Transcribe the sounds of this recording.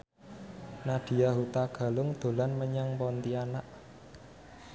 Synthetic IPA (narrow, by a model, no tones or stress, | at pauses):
naɖ̪̥i̤jaɦut̪aɡ̥a̤lʊŋd̪̥o̤lanməɲaŋpɔnt̪ianaʔ